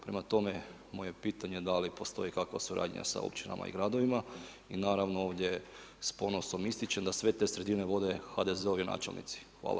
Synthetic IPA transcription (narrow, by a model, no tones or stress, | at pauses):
pɾe̞mat̪o̞me̞ | muje̞piːt̪aɲe̞d̪alipo̞st̪o̞ikakʋa̰suɾʔa̰ːdɲ̰ɲa̰sa̰o̰pt͡ʃina̰ma̰ḭɡɾad̪oʋima | inaːɾaʋnooːʋd̪ʲje | spo̞no̞so̞mist̪jit͡ɕe̞md̪asʋe̞t̪e̞ːsɾe̞d̪ine̞ʋo̞d̪e̞xad̪e̞zeoʋjina̰ːt͡ʃelnḭt̪si̥xʋa̰ːlˠa